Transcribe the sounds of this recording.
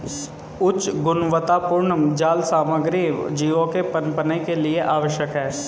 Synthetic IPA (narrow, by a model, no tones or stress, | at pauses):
ʊt͡ʃːɡʊnʋət̪aːpʊɾɳəmd͡ʒaːlsaːməɡɾiːʋd͡ʒiːʋõkepənpənekelieʔaːʋəʃjəkɦɛː